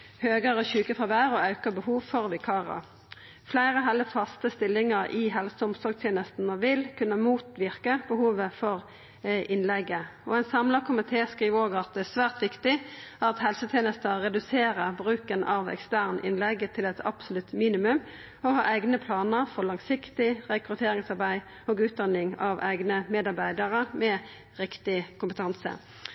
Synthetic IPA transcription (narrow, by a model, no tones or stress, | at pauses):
høːɡəʁəçʉːkəfɑʋæːʁɔɑʉkəbəhuːʋfɔʁʋɪkʰɑːʁɑ̰ | flæɪʁəɦɛlːəfɑst̪əst̪ɪlːɪŋəʁʔɪɦɛlsəʊmsɔʁɡt̪ʰjeːnəst̪n̩əʋɪlkʰʉnːəmuːt̪ʋɪʁkəbəhuːʋəfɔʁ | ʔɪnlɛɡəɔ̰ɛɪnsɑmlɑkʰʊmɪt̪ʰeːskʁiːʋoːɡɑt̪̚d̪ɛsʋæːʁt̪ʋɪkt̪ɪæɑʁɑt̪hɛlsət̪ʰeːnəst̪əʁɛd̪ʉseːɾəbʁʉːkənɑʋɛ̰kst̪æːʁnʔɪ̰nlɛɡt̪ʰɪlɛt̪ʰɑ̰b̥sʊlʉt̪miːnɪmʉm | ɔhɑ̰ːʔæɪɡnəpʰlɑːnəʁfɔlɑŋsɪkt̪ɪʁɛkʁʉt̪ʰeːɾɪŋsɑʁbæɪ | oːɡʉːt̪̚d̪ɑnɪŋɑʋæɪɡnəmeːd̪ɑʁbæɪd̪əʁəmɛ | ʁɪkt̪ɪkʰʊmpət̪ʰɑnsə̰